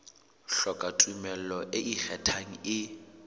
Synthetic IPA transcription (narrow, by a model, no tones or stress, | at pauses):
ɬɔkʼatʼumɛllɔʔɪʔik͡xʰɛtʰaŋ̩ɪ